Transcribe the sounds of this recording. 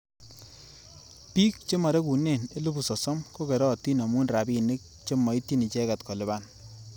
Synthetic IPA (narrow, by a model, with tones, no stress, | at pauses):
pi˦k̚t͡ʃe˦ma˨ɾe˦ku˨ne˦˨ne˦lu˦bu˨sɔ˨sɔ˦mko˦ke˨ɾɔ˦˨ti˦na˨mu˦nra˨bi˦˨nɪ˦k̚t͡ʃe˦mɔ˨i˦tːi˦ni˨t͡ʃɛ˦ka˨tkɔ˨lɪ˨ba˦˨n